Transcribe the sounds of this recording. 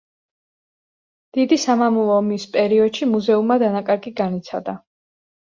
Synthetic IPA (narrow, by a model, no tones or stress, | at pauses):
d̪̥id̪isamamulˠɔmispʼɛɾiɔd̪̥ʃimuzɛumːad̪anakʼaɾɡiɡanit̪sʰa̰d̪a